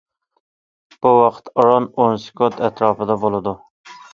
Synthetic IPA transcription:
b̥uwɑqʰt̪ɑɾɑnonsɪ̥kʰot̪ʰɛt̪ɾɑːpɨd̪ɑbolˠɨd̪u

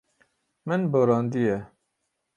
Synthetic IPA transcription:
mɨnboɾɑːnd̪ijɛ

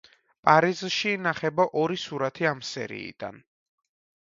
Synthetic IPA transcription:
pʼaɾizʃiːnaχɛbaʔɔɾisuɾat̪ʰiamsɛ̰ɾḭːd̪̥a̰n

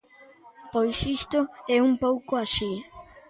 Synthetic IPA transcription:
pojsist̪ʊɛumpowkʊaʃi

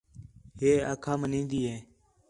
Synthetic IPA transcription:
ɦeːa̰ːkʰaːmənĩːnd̪iːɦẽː

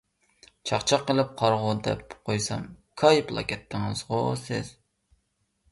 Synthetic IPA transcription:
t͡ʃʰɑχt͡ʃʰɑqːəlˠɨp̚qʰɑɾʁʊd̪ɛ̰pqʰojsɑ̰mkʰɑjplˠɑ̰kʲʰɛt̪ʰːɪŋɨz̥ʁʊsɪz̥

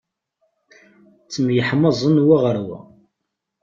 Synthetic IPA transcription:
t͡sːəmjəħməzˤənwaʁəɾwæ̰

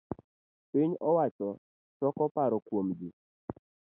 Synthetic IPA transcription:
piɲɔwat͡ʃɔ | t͡ʃɔkɔpaɾɔkwomd͡ʒi

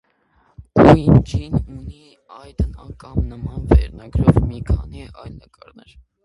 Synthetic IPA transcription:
kujnd͡ʒinuni | ɑjd̪ənɑkɑmnəmɑnvɛ̰ɾnɑɡɾɔvmikʰɑniʔɑjlnəkʼɑɾnɛɾ

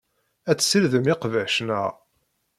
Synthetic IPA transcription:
æt͡sːsilðəmɪqvæʃnəʁ

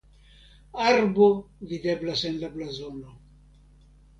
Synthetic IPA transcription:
aɾbo̞vide̞blasenlablazo̞no

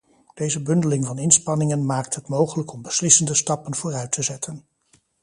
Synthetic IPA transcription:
d̥ejzəbɵndəlɪŋvɑnɪnspɑnɪŋənmaːk̚tɦətmowχələkɔmbəslɪsəndəstɑpənv̥ʊːrœɥtʰəzɛtʰən

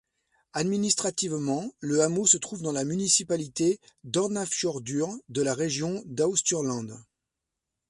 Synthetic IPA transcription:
ad̪minist̪χat̪ivmɑ̃ləamosət̪χuvd̪ɑ̃lamynisipalit̪ed̪ɔʁnafʃɔʁd̪yʁd̪əlaʁeʒjɔ̃d̪aust̪yʁlɑ̃d̪

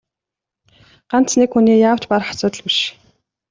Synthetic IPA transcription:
ɢ̥an̥t͡snekxuniːjaːw̥t͡ɕparχḁsʊːt̪ə̆ɮpiʃ

